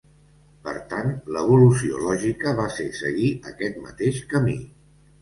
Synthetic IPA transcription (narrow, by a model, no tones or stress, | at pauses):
pə̰ɾt̪ant̪ləβulusio̰lɔʒikəβasesəɣiʔəkɛt̪mə̰t̪eʃkəmḭ